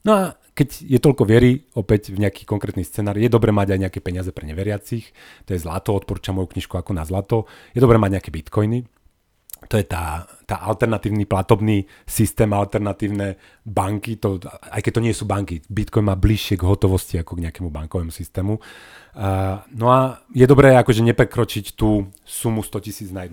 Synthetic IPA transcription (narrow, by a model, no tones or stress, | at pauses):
nɔa | kɛɟjɛt̪ɔʎkɔʋɪɛɾiɔpɛcvɲɛakiːkɔŋkɾɛːt̪nist͡sɛːnaːɾjɛd̪ɔbɾɛːmaɟajɲɛakɛpɛɲɪazɛpɾɛɲɛʋɛɾɪat͡six | t̪ɔjɛzlat̪ɔɔt̪̚pɔɾuːt͡ʃamːɔjukɲiʃkuakɔnazlat̪ɔjɛd̪ɔbɾɛːmaɟɲɛakɛːbit̪kɔjni | t̪ɔjɛt̪aː | t̪aːʔalt̪ɛɾnat̪iːʊniplat̪ɔbniː | sist̪ɛːmalt̪ɛɾnat̪iːʊnɛː | baŋkit̪ɔa̰jkɛc̚t̪ɔɲɪɛsuːbaŋkibit̪kɔjnmaːbliʃɪɛɡɦɔt̪ɔʋɔsciakɔɡɲɛakɛmubaŋkɔʋɛmusist̪ɛːmu | nɔajɛd̪ɔbɾɛːakɔʒɛɲɛpɾɛkɾɔt͡ʃict̪uː | sumust̪ɔcisiːd͡znajɛd̪